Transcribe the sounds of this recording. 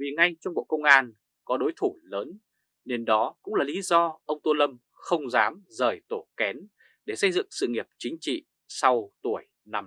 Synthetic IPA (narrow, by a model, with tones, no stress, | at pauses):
vi˨˩ŋa˧jt͡ɕɔ˧ŋ͡mɓo̰˧˨kə˧wŋ͡mʔaː˧n | kɔ˨˦ɗo˨˦jt̪ʰu˧˩ləː˨˦n | ne˧nɗɔ˨˦kʊ̰˧˥ŋ͡mlaː˨˩li˨˦zɔ˧ʔə˧wŋ͡mt̪o˧lə˧m | xə˧wŋ͡mzaː˨˦mzəː˨˩jt̪o˧˩kɛ˨˦n | ɗe˧˩sə˧jzɨ̰˧˨ŋsɨ̰˧˨ŋi˨˩əp̚t͡ɕï˨˦ŋ̟t͡ɕḭ˧˨ | sa˧wt̪u˧˩əj | na˧m